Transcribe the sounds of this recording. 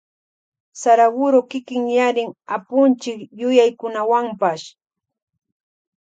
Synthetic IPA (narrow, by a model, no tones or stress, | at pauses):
saɾawʊɾʊkɪkɪŋjaɾɪŋapʊnt͡ʃɪkjʊjajkʊnawampaʃ